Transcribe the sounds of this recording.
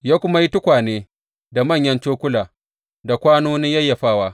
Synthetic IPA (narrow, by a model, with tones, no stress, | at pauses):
jaː˦kʷʊ˦ma˦ji˦tʊ˦kʷaː˨neː˦ | da˨mɐ˦˨ɲjɐ˦nt͡ʃoː˦kʷʊ˦laː˨ | da˨kʷaː˦noː˦nɪ˦jɐ˦jːa˨ɸaː˦waː˦